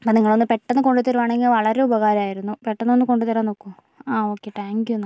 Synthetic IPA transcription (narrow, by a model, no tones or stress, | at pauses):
poniŋːɐɭo̞nːɨpe̞ʈːɐnːɨko̞ɳɖut̪ːɐɾuʋaːɳeŋɡilʋɐɭɐɾe̞ubɐɣaːɾɐmaːjiɾunːupe̞ʈːɐnːo̞nːɨko̞ɳɖut̪ɐɾaːnːoːkːum | aːo̞ːkːeʈːaːŋkjun